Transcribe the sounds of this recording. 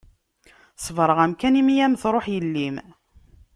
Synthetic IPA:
svɾˤəʁæmkænimijæmθɾˤoħjəlːim

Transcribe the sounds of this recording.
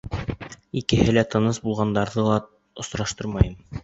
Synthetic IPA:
ikɘ̆hɘlæt̪ɤ̆nɤsbulˠʁɑnd̪ɑɾðɤlˠɑ | ŏsɾɑʃt̪ɤɾmɑjɤm

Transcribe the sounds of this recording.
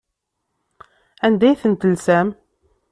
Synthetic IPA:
ænd̪æjθənt̪əlsæm

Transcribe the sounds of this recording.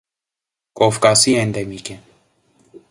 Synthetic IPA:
koːfkaːsiːẽnd̪emiːke

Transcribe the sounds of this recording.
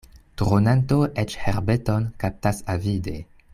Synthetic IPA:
tɾonanto̞ʔet͡ʃheɾbe̞to̞nkap̚tasavide̞

